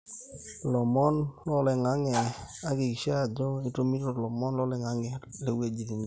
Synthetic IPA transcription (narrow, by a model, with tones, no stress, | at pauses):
lɔ˨mɔ˦nlɔ˦lɛ˨ŋa˦ŋɛ˨a˦ɡɪ˨kʃa˦˨d͡ʒɔ˦i˦to˦mi˦ɾo˨lɔ˨mɔ˦nlɔ˦lɛ˨ŋa˦ŋɛ˨le˨we˨d͡ʒi˨ti˨n